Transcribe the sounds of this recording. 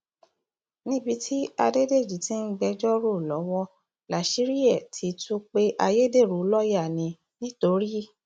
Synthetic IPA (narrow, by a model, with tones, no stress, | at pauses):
nĩ˦bi˧tʰi˦a˧de˦de˦˨d͡ʒi˨˦ti˦n̩˦ɡ͡bɛ˧d͡ʒɔ˦ɾo˦˨lɔ˨˦wɔ˦ | la˨ʃi˨˦ɾi˦ɛ˦˨tʰi˨˦tu˦k͡pe˦ʔa˧je˦de˦˨ɾu˨˦lɔ˦ja˦˨nĩ˧ | nĩ˦to˧˦ɾi˦